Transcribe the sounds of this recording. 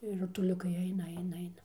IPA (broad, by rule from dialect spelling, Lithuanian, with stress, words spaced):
ɪr rʊtʊˈlʲʊkɐɪ ˈɐɪnɐ ˈɐɪnɐ ˈɐɪnɐ